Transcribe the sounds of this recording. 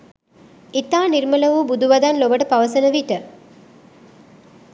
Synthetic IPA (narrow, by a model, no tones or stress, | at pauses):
it̪aːniɾmələʋubud̪uʋad̪anlobəʈəpaʋəsənəʋiʈə